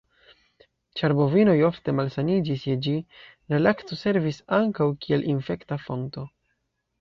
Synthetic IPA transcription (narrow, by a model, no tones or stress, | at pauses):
t͡ʃaɾbo̞vino̞jo̞fte̞malsanid͡ʒisjed͡ʒi | ɾelakto̞se̞ɾvisaŋkawkie̞lʔinfe̞ktafo̞ŋto̞